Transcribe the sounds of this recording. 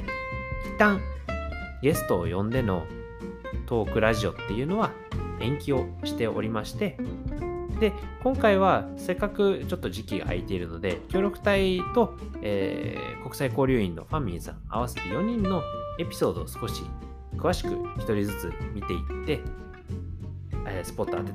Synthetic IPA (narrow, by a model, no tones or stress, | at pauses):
it̪ːãŋ | ɡe̞sɨ̥t̪o̞̰ːjõ̞nd̪e̞no̞̰ | t̪o̞ːkɯ̟ɾaʑio̞t̪ːe̞jɯ̟no̞βa | ẽ̞ŋkʲio̞ɕi̥t̪e̞o̞̰ɾʲimaɕi̥t̪e̞ | d̪̥e̞kõŋkaiβ̞ase̞kːakɯ̟t͡ɕo̞t̪ːo̞ʑikʲiɡa̰ːit̪e̞iɾɯ̟no̞d̪e̞kʲo̞ːɾʲo̞kɯ̟̥t̪ait̪o̞ | eːko̞kɯ̟saiko̞ːɾʲɨːĩnːo̞̰ɸãmʲːĩsã̰ŋ̃a̰β̞ase̞t̪ejo̞ɲ̟ĩnːo̞e̞pʲi̥so̞ːd̪o̞ːsɨ̥ko̞ɕḭ | kɯ̟aɕi̥kɯ̟çi̥t̪o̞ɾʲizɨt͡sɨ̰mʲit̪e̞it̪ːe̞ | eːsɨ̥po̞t̪ːoa̰t̪ːe